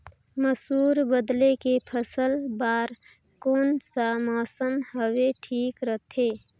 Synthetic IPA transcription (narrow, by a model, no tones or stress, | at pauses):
məsuːɾbəd̪lekepʰəsəlbaːɾ | koːnsamɔːsəmɦəweʈʰiːkɾət̪ʰe